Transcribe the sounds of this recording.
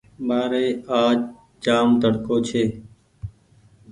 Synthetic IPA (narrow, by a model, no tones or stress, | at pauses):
ɓaːɾeːaːd͡ʒ | d͡ʒaːmt̪əɽkoːt͡ʃʰeː